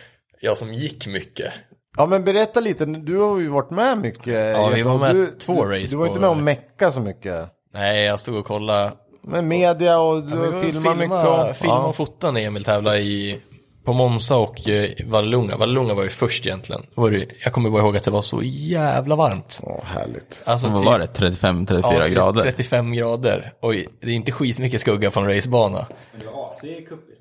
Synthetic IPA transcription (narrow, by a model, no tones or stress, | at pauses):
jɑːsɔmjɪkːmʏkːə̰ | jɑːmɛnbɛɾɛt̪ːaliːt̪əd̪ɵhaɾjʉvaʈːmɛmʏkːəɑːvɪvamɛt̪ʰvoːɾɛjsd̪ɵvajɪt̪mɛɔmɛkːasɔmʏkːə | nɛɪjɑːɡst̪uːɡɔkʰɔlːa | mɛmeːd̪ɪaɔfɪlmamʏəɔfɪaɔfʊt̪ːanɛjamɪlt̪ʰɛːvlaɪ | pʰɔmɔnsaɔkʰvallʊŋːa̰vallʊŋːavaɾjʉfœʂʈɪjɛnt̪ʰlɪ̰ə̰nd̪ɔvaɾjɑːɡkʰɔmːəɾbɑːɾahoːɡat̪̚d̪ɛvaʂɔ̰jæːvlavaɾmt̪hæ̰ːɭɪ̰ɡt̪alsɔɔɾɛt̪ʰɾɛt̪ːɪfɛmːt̪ʰɾɛt̪ːɪfy̰ːɾa̰ɡɾɑ̰ːd̪əɾɛt̪ːɪfɛmːɡɾɑːd̪ə̰ɾɔd̪ɛɾʊɪnt̪əɧiːt̪mʏkːəskɵɡːafɾɔnɾɛjsbɑːna̰